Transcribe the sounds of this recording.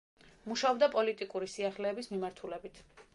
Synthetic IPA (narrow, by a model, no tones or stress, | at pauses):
muʃaɔbd̪apʼɔlit̪ʼikʼuɾisiaχlɛːbismimaɾt̪ʰulɛbit̪ʰ